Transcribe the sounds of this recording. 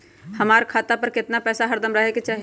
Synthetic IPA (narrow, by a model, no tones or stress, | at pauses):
hɐmaːɾkʰaːt̪apəɾkɪt̪napɛːsaɦəɾd̪əmɾəɦeket͡ʃaːɦ